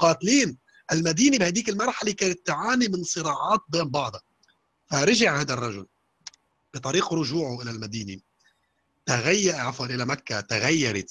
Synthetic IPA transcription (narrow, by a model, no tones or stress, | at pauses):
qɑːt̪liːn | ʔɪlmad̪iːnibhaːd̪iːkɪlmɑɾˤħalekaːnɪt̪ːʕaːnimɪnsˤɨɾɑːʕɑːt̪̚beːmbɑʕd̪ˤɑ | faɾɪʒɪʕhaːd̪arˤːɑʒʊl | b̥ɨt̪ˤɑɾiːqɾʊʒuːʕʊʔɪlalmad̪iːni | t̪aɣajːaɾʕafɑɾʔɪlamakːat̪aɣajːɑɾˤɪt̪